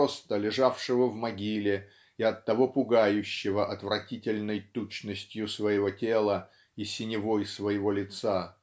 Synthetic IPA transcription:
ost̪əlʲɪʐafʂɨvəvmɐɡʲilʲɪ | ɪɐt̪ːɐvo̞pʊɡajʉɕːɪvəʔɐt̪vɾɐtʲitʲɪlʲnəjt̪ut͡ɕnəsʲtʲjʊsvəjɪvo̞tʲe̞lˠə | isʲɪnʲɪvojsvəjɪvo̞lʲɪt̪sa

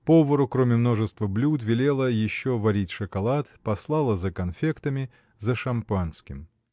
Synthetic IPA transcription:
po̞vəɾʊkɾomʲɪmno̞ʐɨst̪vəblʲut̪vʲɪlʲe̞lˠəjɪɕːo̞vɐɾʲitʲʂɨkɐlˠat̪pɐslˠalˠəzəkɐnfʲe̞kt̪əmʲɪ | zəʂɐmpanskʲɪm

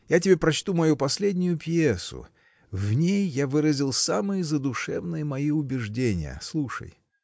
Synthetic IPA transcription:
jatʲɪbʲepɾɐt͡ɕt̪umɐjupɐsʲlʲedʲnʲʊjʊpʲjesʊ̰ | vnʲejːavɨɾəzʲɪlˠsamɨjəzəd̪ʊʂɛvnɨjəmɐiʊbʲɪʐdʲenʲɪ̰jə̰slˠuʂə̰j

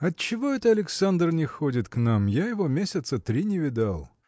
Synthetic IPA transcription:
ɐt̚t͡ɕːɪvo̞ɛt̪əɐlʲɪksand̪rnʲɪxodʲɪt̪knamjajɪvomʲesʲɪt̪sət̪ɾʲinʲɪvʲɪd̪alˠ

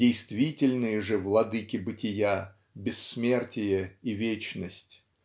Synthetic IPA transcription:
ejst̪vʲitʲɪlʲnɨjəʐɨvlˠɐd̪ɨkʲɪbɨtʲɪja | bʲɪsːmʲe̞rtʲɪjəivʲet͡ɕnəsʲtʲ

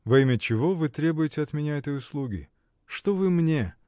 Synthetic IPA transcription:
vɐimʲət͡ɕɪvo̞vɨt̪ɾʲe̞bʊjɪtʲɪɐt̪mʲɪnʲaɛt̪əjʊslˠuɡʲɪ̰ | ʂt̪o̞vɨmnʲe

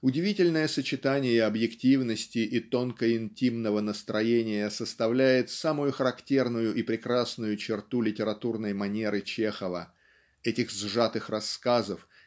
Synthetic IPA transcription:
ʊdʲɪvʲitʲɪlʲnəjəsət͡ɕɪt̪anʲɪjəɐbjɪktʲivnəsʲtʲɪʔɪt̪o̞nkəɪnʲtʲimnəvənəst̪ɾɐjenʲɪjəsəst̪ɐvlʲæjɪt̪samʊjʊxəɾɐktʲe̞rnʊjʊʔipɾʲɪkɾasnʊjʊt͡ɕɪrt̪ulʲɪtʲɪɾɐt̪urnəjmɐnʲeɾɨt͡ɕexəvə | ɛtʲɪxzʐat̪ɨxrɐskazəf

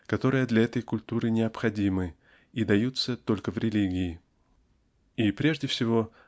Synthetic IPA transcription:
kɐt̪o̞ɾɨjəd̪lʲɐɛt̪əjkʊlʲt̪uɾɨnʲɪɐpxɐdʲimɨ | id̪ɐjut̪sət̪o̞lʲkəvɾʲɪlʲiɡʲɪɪ | ipɾʲe̞ʐdʲɪfsʲɪvo̞

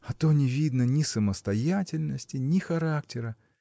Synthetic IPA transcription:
ɐt̪onʲɪvʲid̪nənʲɪsəməst̪ɐjatʲɪlʲnəsʲtʲɪnʲɪxɐɾaktʲɪɾə

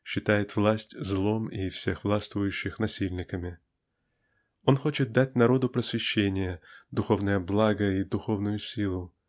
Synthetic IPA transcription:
ɕːɪt̪ajɪt̪vlˠasʲtʲzlˠo̞mifsʲe̞xvlˠast̪vəjʉɕːɪxnɐsʲilʲnʲɪkəmʲɪ | o̞nxo̞t͡ɕɪt̪̚d̪at̚ʲnɐɾo̞d̪ʊpɾəsvʲɪɕːenʲɪjəd̪ʊxo̞vnɨjəblˠaɡəid̪ʊxo̞vnʊjʊsʲilˠʊ

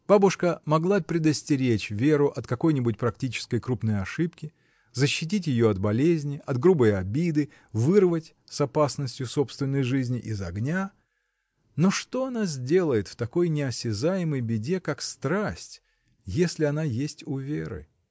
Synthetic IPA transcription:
b̥abʊʂkəmɐɡlˠapɾʲɪd̪əsʲtʲɪɾʲet͡ɕvʲe̞ɾʊʔɐt̪kɐko̞jnʲɪbʊtʲpɾɐk̚tʲit͡ɕɪ̥skəjkɾupnəjɐʂɨpkʲɪ | zəɕːɪt̬ʲit̬ʲjɪjoɐd̪̚bɐlʲezʲnʲɪʔɐt̪ɡɾubəjɐbʲid̪ɨ | vɨrvətʲ | sɐpasnəsʲtʲjʊso̞pst̪vʲɪnːəjʐɨzʲnʲɪʔɪzɐɡnʲa | no̞ʂt̪o̞ɐnazʲdʲe̞lˠəjɪt̪ft̪ɐko̞jnʲɪɐsʲɪzajɪməjbʲɪdʲe̞kakst̪ɾasʲtʲ | jesʲlʲɪɐnajesʲtʲʊvʲeɾɨ̰

